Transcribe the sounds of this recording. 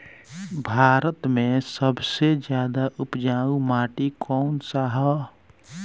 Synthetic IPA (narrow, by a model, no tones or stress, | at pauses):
bʱaːɾət̪mẽsəbʱsed͡ʒjaːd̪aʔupd͡ʒaːumaːʈikʰɔnsaɦə